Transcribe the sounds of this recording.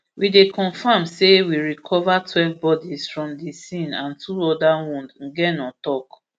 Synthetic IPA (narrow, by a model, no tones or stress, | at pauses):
widekʰɔ̃ɱfãmsewiɹikʰɔvatʰwɛvbɔdisfɹɔ̃mdisĩnã̰ntʰuɔdawũndɡɛnɔ̃tɔk